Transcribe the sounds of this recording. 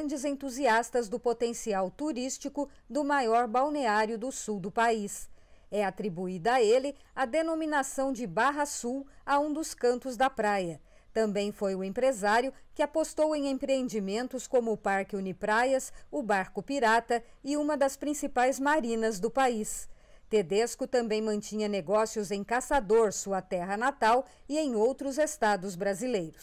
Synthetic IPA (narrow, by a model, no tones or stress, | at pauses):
nd͡ʒɪzẽnt̪uziast̪ɐzd̪ʊpot̪ẽsiawt̪uɾist͡ʃikʊ | d̪ʊmajɔɾbawneaɾjʊd̪ʊsuwd̪ʊpaisɛat̪ɾibuid̪ɐelɪ | ad̪enominasɐ̃w̃d͡ʒɪbaɦɐsuwaũd̪ʊskɐ̃nt̪ʊzd̪ɐpɾajɐ | t̪ɐ̃mbẽj̃fojʊẽpɾezaɾjʊkɪapost̪owẽj̃ẽpɾeẽnd͡ʒimẽnt̪ʊskõmʊːpaɾkɪunipɾajɐsʊbaɾkʊpiɾat̪ɐɪũmɐd̪ɐspɾĩsipajzmaɾĩnɐzd̪ʊpais | t̪ed̪eskʊt̪ɐ̃mbẽj̃mɐ̃t͡ʃĩɲɐneɡɔsjʊzẽj̃kasad̪oɾsuɐt̪ɛɦɐnat̪aw | ɪẽj̃owt̪ɾʊzest̪ad̪ʊzbɾazilejɾʊs